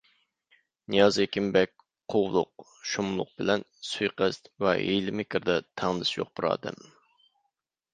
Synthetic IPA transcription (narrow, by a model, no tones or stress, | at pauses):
nɨjɑzekʲimbɛk̚ʲ | qʰowlˠʊ̰q̚ | ʃumlˠʊq̚b̥ɪlɛn | sujqɛst̪vɛelɪmɪkʲɪɾd̪ɛt̪ʰæŋlɪʃjo̰q̚buɾɑ̰ːd̪ɛ̰m